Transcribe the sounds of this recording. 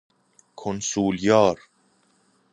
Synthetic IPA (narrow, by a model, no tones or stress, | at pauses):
kʰonsuːljɒːɾ